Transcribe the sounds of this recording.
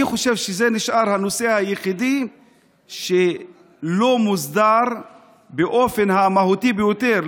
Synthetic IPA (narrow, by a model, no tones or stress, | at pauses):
iχo̞ʃe̞vʃezeniʃʔaʁhano̞se̞hajeχidi | ʃe | lo̞muzd̪aʁ | beʔo̞fe̞nhamaɦutibejo̞te̞ʁ